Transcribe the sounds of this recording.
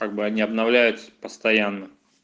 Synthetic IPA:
kaɡ̚bɨɐnʲiɐbnɐvlʲæjʊt̪sə̥pəst̪ɐjanːə

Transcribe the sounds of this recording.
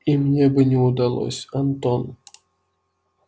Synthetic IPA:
imnʲebɨnʲɪud̪alˠo̰sʲɐnt̪on

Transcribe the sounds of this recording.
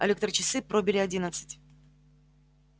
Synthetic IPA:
ɐ̰lʲekt̪rt͡ɕɪsɨpɾobʲɪlʲɪɐdʲinət̪sɨ̥tʲ

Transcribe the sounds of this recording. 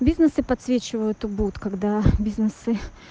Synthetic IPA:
bʲiznəsɨpɐt̪svʲet͡ɕɪvəjʊt̪ʊbut̪kaɡd̪abʲiznɨsɨ

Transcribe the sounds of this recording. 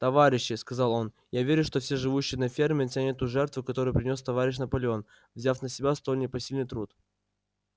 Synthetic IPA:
t̪ɐvaɾʲɪɕːɪskɐzɑlˠo̞n | javʲeɾʲʊʂt̪ofsʲeʐɨvuɕːɪjnɐfʲe̞rmʲɪtʲanʲɪt̪uʐɛrt̪vʊkɐt̪o̞ɾɨjpɾʲɪnʲo̞st̪ɐvaɾʲɪɕ̬nəpɐlʲɪo̞n | vzʲafnəsʲɪbʲast̪onʲɪpɐsʲilʲnɨjt̪ɾut̪

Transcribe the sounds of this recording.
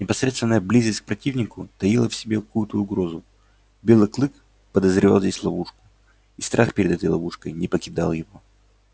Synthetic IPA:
nʲɪpɐsɾʲet̪st̪vɪnːəjəblʲizəsʲk̚pɾɐtʲivnʲɪkʊt̪ɐjilˠəfsʲɪbʲekɐkujʊt̪əʊɡɾo̞zʊ | bʲe̞lˠɨklˠɨk | pəd̪əzɾʲɪvalˠzʲdʲesʲlˠɐvuʂkʊ̥ | ist̪ɾʔaxpʲɪɾʲɪd̪ɛt̪əjlˠɐvuʂkəjnʲɪpəkʲɪd̪alˠjɪvo

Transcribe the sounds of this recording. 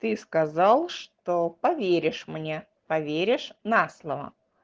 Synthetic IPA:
t̪ɨskɐzalˠʂt̪opɐvʲeɾʲɪʂmnʲe | pɐvʲeɾʲɪʂnaslˠəvə̰

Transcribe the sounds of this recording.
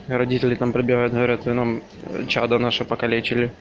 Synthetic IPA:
ɾɐdʲitʲɪlʲɪt̪ampɾəbʲɪɣajʊt̪̚ɡəvɐɾʲat̪ɨnam | t͡ɕad̪ənaʂɨpəkɐlʲet͡ɕɪlʲɪ

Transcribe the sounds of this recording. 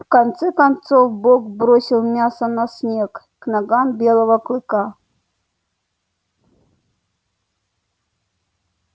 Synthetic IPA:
fkɐnt̪sɛkɐnt̪sofbokbɾosʲɪlˠmʲasənɐsʲnʲek | knɐɡambʲelˠəvəklˠɨka

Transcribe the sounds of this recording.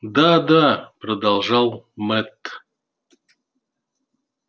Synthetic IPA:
d̪ad̪apɾod̪ɑlˠʐɑlˠmɛt̪

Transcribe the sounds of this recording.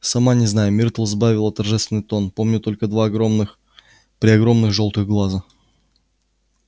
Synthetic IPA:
sɐmanʲɪznajʊmʲɪrt̪əlˠzbavʲɪlˠət̪ɐrʐɛst̪vʲɪnːɨjt̪o̞npo̞mnʲʊt̪o̞lʲkəd̪vaɡɾomɨx | pɾʲɪɐɡɾo̞mnɨxʐo̞lˠt̪ɨɣɡlˠazə

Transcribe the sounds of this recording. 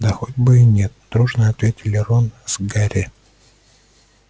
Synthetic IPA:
d̪ɐxodʲbɨinʲet̪̚d̪̥ɾuʐnəɐt̪vʲetʲɪlʲɪɾonz̥ɡaɾʲɪ

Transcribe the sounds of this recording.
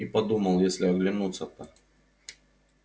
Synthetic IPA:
ipɐd̪uməlˠjesʲlʲɪɐɡlʲɪnut̪sːət̪ɐ

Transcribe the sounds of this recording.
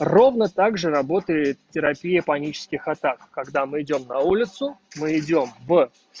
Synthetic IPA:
ro̞vnət̪aɡʐɨɾɐbo̞t̪əjɪt̪tʲːɪɾɐpʲijəpɐnʲit͡ɕɪ̥skʲɪxɐt̪akːɐɡd̪amɨɪdʲo̞mnɐulʲɪt̪sʊmɨɪdʲo̞mv

